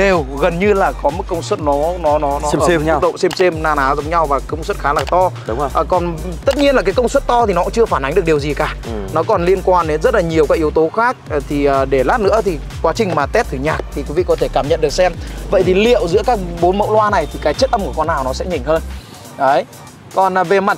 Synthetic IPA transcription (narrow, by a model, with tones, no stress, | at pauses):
ɗe˨˩wɣə˨˩nɲɨ˧laː˨˩kɔ˨˦mə˨˦˥kə˧wŋ͡mswə˦˥t̚nɔ˨˦nɔ˨˦nɔ˨˦ɔ˦˧˦ɗə̰˧˨ŋ͡msɛ˧mse˧mnaː˧naː˨˦zə˨˦wŋ͡mɲa˧wvaː˨˩kə˧wŋ͡mswə˦˥t̚xaː˨˦laː˨˩t̪ɔ˧ɗːkɔ˨˩n | t̪ə˦˥t̚ɲi˧ənlaː˨˩kaː˨˦jkə˧wŋ͡mswə˦˥t̚t̪ɔ˧t̪ʰi˨˩nɔ˨˦˥t͡ɕɨ˧əfaː˧˩nʔŋ̟ɗɨ˨˩k̚ɗi˨˩əwzi˨˩kaː˧˩nɔ˨˦kɔ˨˩nli˧ənkwaː˧nɗe˨˦nzə˦˥t̚laː˨˩ɲi˨˩əwkaː˨˥k̚i˨˦ə˦wt̪o˨˦xaː˦˥k̚ːt̪ʰi˨˩ʔəː˨˩ɗe˧˩laː˦˥t̚nɨ̰˧˥ət̪ʰi˨˩ | kwaː˨˦t͡ɕï˨˩ŋ̟maː˨˩t̪ɛ˦˥t̚t̪ʰɨ˨˧˩ɲaː˨˩k̚t̪ʰi˨˩kwi˨˦vḭ˧˨kɔ˨˦t̪ʰe˧˩kaː˧˩mɲə̰˧˨nɗɨ˨˩ə˩sɛ˧mvə̰˧˨jt̪ʰi˨˩lḭ˧˨əwzɨ̰˧˥əkaː˦˥k̚ɓo˨˦nmə̰˧˨wlwaː˧na˨˩jt̪ʰi˨˩kaː˨˦jt͡ɕə˦˥t̚ʔə˧mku˧˩əkɔ˧nːaː˨˩wnɔ˨˦sɛ̰˧˥ɲï˨˩ŋ̟həː˧n | ə˨˦j | kɔ˨˩nː˨˩ve˨˩ma˨˩t̚